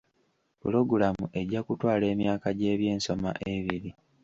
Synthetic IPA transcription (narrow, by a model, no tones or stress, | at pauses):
pulo̞ɡulamuʔe̞ɟːakutwaːle̞ːmjaːkaɟe̞ːβje̞ːnso̞ma̰ʔe̞βiɾi